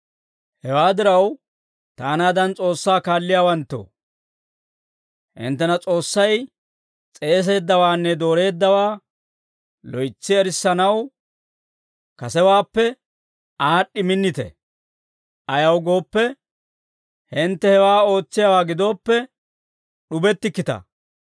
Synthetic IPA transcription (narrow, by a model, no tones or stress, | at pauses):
hɛwaːd̪ɪɾɐw | t̪aːnaːd̪ɐnt͡sʼo̞ːsːaːkaːlːɪjaːwɐnt̪ːo̰ː | hɪ̰nt̪ːɛnɐt͡sʼo̞ːsːɐj | t͡sʼe̞ːs̬e̞ːd̪ːɐwaːnːɛd̪o̞ːɾe̞ːd̪ːɐwaː | lɔjt͡sːɪɛɾɪsːɐnɐw | kɐsɛwaːpːɛ | aːɗːɪmɪnːɪt̪ɛ̰ | ʔɐjɐwɡo̞ːpːɛ | hɪnt̪ːɛhɛwaːo̞ːt͡sːɪjawaːɡɪd̪o̞ːpːɛ | ɗʊbɛt̪ːɪkːɪt̪ɐ̰